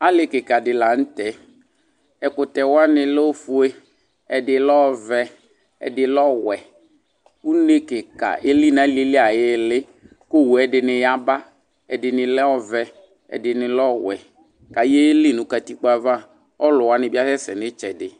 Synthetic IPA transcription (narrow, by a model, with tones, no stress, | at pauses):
a˦lɪ˨kɪ˨ka˨dɪ˨la˨n̩˦tɛ˨ | ɛ˨kʊ˨tɛ˨wa˦nɪ˨lɔ˦fʊ˦e˦ | ɛ˨dɪ˨lɔ˦vɛ˦ | ɛ̰˨dɪ˨lɔ˦wɛ˨ | u˦ne˦kɪ˨ka̰˨ʔe˦li˦˨n˨a˦li˦e˦lɪ˦a˨jɪ˦lɪ˦ | ko˦˨wu˨ɛ˨dɪ˨nɪ˨ja˦ba˦ | ɛ˨dɪ˨nɪ˨lɛ˦ɔ˦vɛ˨ | ɛ̰˨dɪ˨nɪ˨lɔ˦wɛ̰˨ | ka˨je˦lɪ˦˨nʊ̃˨ka˨ti˦k͡pa˨va˦˨ | ɔ˦lʊ˨wa˦nɪ˨bɪ˦a˦sɛ˦sɛ˨nɪ˦t͡ʃɛ˨dɪ˨